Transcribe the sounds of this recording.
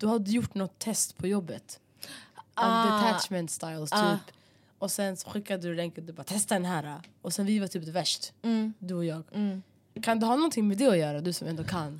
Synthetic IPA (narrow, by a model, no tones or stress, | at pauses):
d̪̥ɵhad̪ːəjʊʈːnɔt̪ʰːɛst̪pʰɔjɔbːət̪ | aɛt̪ʰæt͡ʃmɛnt̪st̪ajlst̪ʰːyːp | ɔsɛnsɔ̥ɧɪkːad̪əd̪ɵɾɛŋkəd̪ɵbaːɾat̪ʰɛst̪ad̪ɛnɦæːɾaɔsɛnvɪvaʈ̪ʰyːpd̪ɛvæʂʈd̪ɵɔjɑːɡ | kʰand̪ɵɦɑːnɔnt̪ʰɪŋːmɛd̪ɛɔjœːɾad̪ɵsɔmʔɛnd̪ɔkʰanː